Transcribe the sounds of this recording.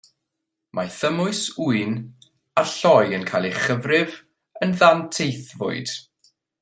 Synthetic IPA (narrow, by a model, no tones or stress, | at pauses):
mʔaθəmʊɨsuɨn | aɬɔjənkʰajlˠeχəvrɪv | ənðantʰejθvʊ̰ɨd̥